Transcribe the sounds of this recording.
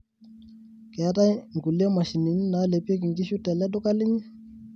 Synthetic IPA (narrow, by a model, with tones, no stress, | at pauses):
kɛ˨a˦ta˦jŋ̩˨ku˨li˦a˦ma˨ʃi˨ni˨ɲi˦na˨˦le˨pe˦k̬i˨ŋki˦ʃu˦tɛ˨lɛ˦du˦ka˦li˦ɲi˦